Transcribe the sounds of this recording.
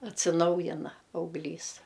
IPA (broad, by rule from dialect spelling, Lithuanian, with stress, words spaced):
ɐtʲsʲɪˈnɐʊjɪnɐ ɐʊɡlʲˈiːs